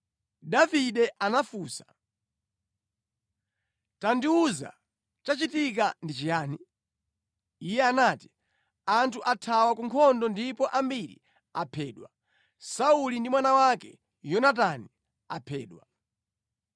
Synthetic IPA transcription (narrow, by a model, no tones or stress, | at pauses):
daviɗɛʔanafuːsḁ | tandiuza̰ | t͡ʃat͡ʃitik̬andit͡ʃijaːni | ijɛanaːti̥ | antʰuʔatʰawakuŋkʰɔndɔndipɔʔambiɾḭ | apʰɛːɗwa | saulindimwanawakɛ̰ | jɔnat̬ani | apʰɛ̰ːɗwa